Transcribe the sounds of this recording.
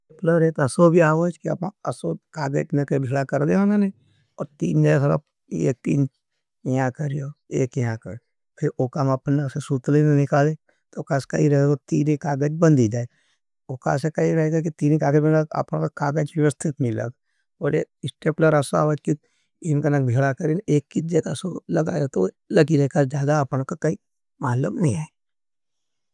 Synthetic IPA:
epləɾet̪ɐsobʱiaːʋəd͡ʒkiɐ̰pãɐsokaːɡəd͡ʒnekebʱɪlakɐɾd̪eonane | ɔːɾt̪iːnd͡ʒasɐɾə̰p̚ | ḛːk̚t̪ḭːn | ãkəɾijoḛːkjɦãkə̰ɾ | pʰɪɾoːkamɐpnesesut̪linenɪkaːle | t̪okaskɐiɾɐɦeɡot̪iːnekaːɡəd͡ʒbə̃nd̪id͡ʒaːe | oka̰sekɐiɾɐɦeːɡak̬it̪iːnikaːɡəd͡ʒbɐnd̪aa̰pnãkakaːɡəd͡ʒʋeʋəst̪ʰɪt̪mɪilə̰ɡ | oːɾḛːɪsʈeːpləɾɐsa̰ʋəd͡ʒki | ɪnkanɐkbʱeːlakɐɾineːkːid͡ʒekasolɐɡa̰ːjot̪o | lɐɡiɾɐekazjaːd̪aːpnãkakɐi | maːləbnɐɦĩaːe

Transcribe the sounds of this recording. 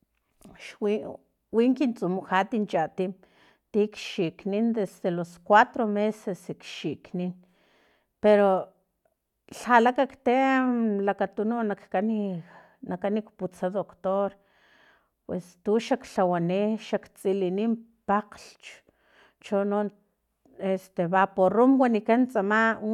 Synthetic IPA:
ʃwi | wiŋkint͡sʼumuxat̪int͡ʃat̪im | t̪ikʃiknind̪esd̪eloskwat̪ɾomesesikʃiknin | peɾo | ɬalakakt̪emlakat̪unonakːani | nakanikput͡saðokt̪oɾ | pwest̪uʃakɬawaniʃakt͡sʼilinim | paqɬt͡ʃ | t͡ʃono | est̪eβaporumwanikant͡sʼama

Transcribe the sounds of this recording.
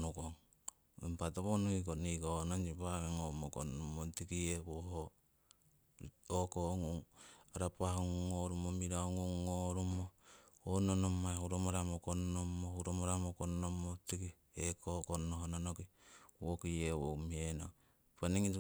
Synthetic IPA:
nukoŋ | impatoβonuhik̬onikonond͡ʒipakeŋomoko̰nomotikieβoho | okoŋuŋaɾapahoŋŋoɾumomiɾaoŋuŋŋoɾumoononomːahuɾomoɾamokonːomːohuɾomoɾamokonomotiki | ekokonːoɦononokiwokiewo̰mieno | paniŋi

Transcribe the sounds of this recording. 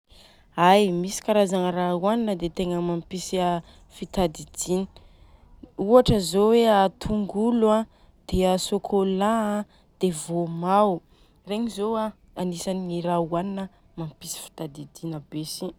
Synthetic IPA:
ajmisi̥kaɾazanərauaninəd̪et̪eŋəmampisiə | fit̪ad̪id̪inə̥ | uaʈ͡ʂəzoweat̪ʰuŋɡuluã | d̪̥eəsokʰolaã | d̪̥evomaw | reɲizoa | anisanirauaninə | mampisi̥fi̥t̪ad̪id̪inəbesi

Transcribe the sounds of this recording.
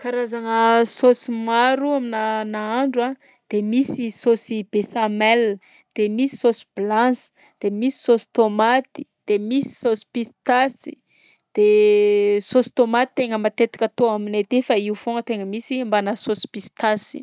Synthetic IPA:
kaɾazaŋəsosimaɾuaminanaaɳɖ͡ʐa | d̪̥emisisosibesamɛl | d̪̥emisi̥sosi̥blãsi̥ | d̪̥emisi̥sosi̥t̪omat̪i̥d̪̥emisi̥sosi̥pist̪asi̥ | d̪̥e | sosi̥t̪omat̪it̪eŋəmat̪et̪ḁkʲət̪oaminet̪efaiufoŋət̪eŋəmisimbanəsosi̥pist̪asi̥

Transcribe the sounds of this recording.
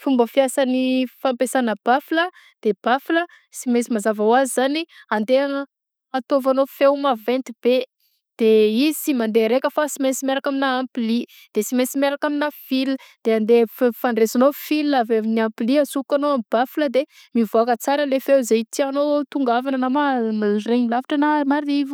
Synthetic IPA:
fumbəfiasanifampesanəb̥afilə | d̪̥eb̥afilə | simesimazavawazizaniand̪eaŋə | at̪ovanofewmavẽnt̪ib̥e | d̪̥eizisimand̪eɾekəfasimesimeɾakaminaːmpli | d̪̥esimesimeɾakaminafild̪̥eand̪effaɳɖ͡ʐesanofilːavemniampiliasukanoamib̥afiləd̪e | mivoakət͡saɾəlefewzejt̪ʰianot̪uŋɡavanənamamareɲilavaʈ͡ʂənamaɾivu̥

